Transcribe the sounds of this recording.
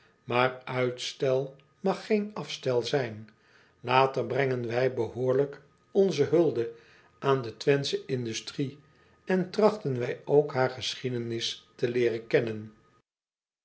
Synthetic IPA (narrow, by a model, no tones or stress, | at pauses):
maːɹœɥtstɛlˠ | mɑχːejnɑfstɛlˠzɛjn | laːtərbrɛŋənʋɛjbəɦʊːɹlək | ɔnzəɦɵlˠdə | ʔaːndətʋɛnsəʔɪndystri | ɛntrɑχtənʋɛjowkɦaːɹχəsχidənɪstəlɪːrəkɛnən